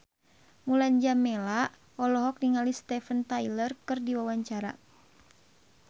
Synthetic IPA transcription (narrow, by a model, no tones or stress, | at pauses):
muland͡ʒamɛla | ɔlɔɦɔk̚niŋalist̪ɛfənt̪ajlərkɨrdiwawaɲt͡ʃaɾa̰